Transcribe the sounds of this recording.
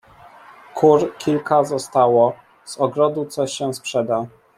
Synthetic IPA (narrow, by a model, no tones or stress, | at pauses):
kʰuɾkʲilkazɔst̪awɔ | z̥ɔɡɾɔd̪ut̪sɔɕɛspʂɛd̪a